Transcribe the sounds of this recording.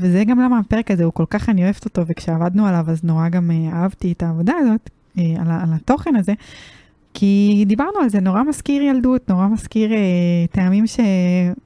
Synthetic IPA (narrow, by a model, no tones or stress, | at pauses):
vezeɡamlamape̞ʁekazeuko̞lkaχanioevet̪o̞to̞ve̞kʃeavad̪nualavazno̞ʁaɡameaavtietaːvo̞daːzo̞t̪ | ealalato̞χe̞naze̞ | kʰid̪ibaʁnualzeno̞ʁamaskiʁjaldutno̞ʁamaskiʁeteamimʃe